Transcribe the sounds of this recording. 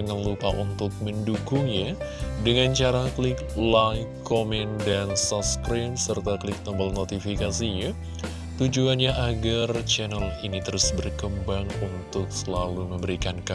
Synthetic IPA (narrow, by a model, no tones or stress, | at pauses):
əŋanlupaʔunt̪ʊk̚məndukʊŋɲadəŋant͡ʃaɾaklɪklakʰːomɛndansaskɾimsərt̪akəlɪk̚t̪ɔmbəlnot̪ifikasiɲa | t̪ud͡ʒuanɲaʔaɡart͡ʃɛnəlinit̪əɾʊsbərkəmbaŋunt̪ʊk̚səlaluməmbəɾikanka